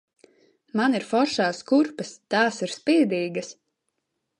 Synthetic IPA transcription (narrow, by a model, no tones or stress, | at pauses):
maniɾfɔɾʃaːskuɾpɐst̪ɑːsiɾspiːd̪iːɡɐs